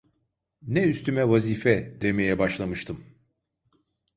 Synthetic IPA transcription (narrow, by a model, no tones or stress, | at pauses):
nɛyst̪ʰymɛvaziːfɛd̪e̞me̞jɛbaʃlˠamɯʃt̪ʰɯm